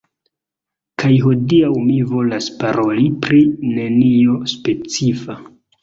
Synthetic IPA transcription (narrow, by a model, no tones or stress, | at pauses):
kʰajɦo̞diawmivo̞laspaɾo̞lipɾine̞nio̞spe̞t͡sifa